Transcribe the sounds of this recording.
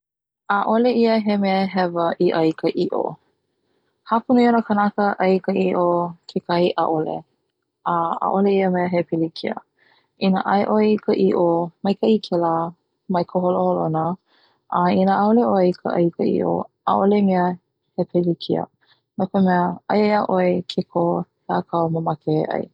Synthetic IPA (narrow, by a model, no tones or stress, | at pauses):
aʔoleiəɦemɛəɦɛvəʔiʔɐjkʰəʔiʔo̰ | hapunuionəkənakəʔɐjkəʔiʔokʰekɐhiʔa̰ʔolḛ | ʔəa̰ʔoleiəmɛəɦepʰelikʰiə̰ | ʔinəʔaeʔoeikʰəʔiʔomɐjkʰɐʔikʰela | mɐjkʰoɦoloholonə | ʔɐinəʔaoleʔoeikʰə̰ʔɐ̰ikəʔḭʔo̰ʔa̰ʔolemeə | hepʰelikʰḭə̰ | nokomɛəɐjjaʔoekʰekʰo | laːkʰɐwməmakḛʔɐ̰j